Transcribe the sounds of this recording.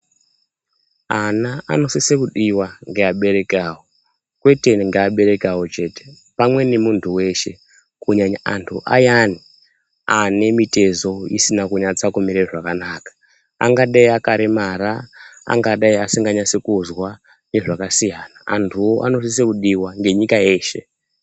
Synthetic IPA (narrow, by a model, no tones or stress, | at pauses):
anaa̰no̞sisekuɗiwaŋɡeaɓe̞ɾe̞kaːwo | kwe̞te̞ŋɡeaɓe̞ɾe̞kawo̞t͡ʃe̞ːte̥ | pamwe̞nemuntʰuwe̞ʃe̞ | kuɲaɲaa̰ntʰuʔajani | ane̞mite̞zo̞isinakuɲat͡sakumiɾeʐakanaːkḁ | a̰ŋɡaɗaiakaɾemaɾaa̰ŋɡaɗaiasiŋɡaɲat͡sekuzwa | ne̞ʐakasijanaa̰ntʰuoʔa̰no̞s̬is̬ekuɗiwaŋɡe̞ɲikae̞ːʃe̞̰